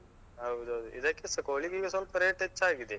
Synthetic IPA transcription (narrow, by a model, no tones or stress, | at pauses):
ɐw̪ɐd̪uʔḭd̪ɐkːesɐkoːliɡiːɡɐsɐlpɐɾeʈet͡ʃːaːɡid̪e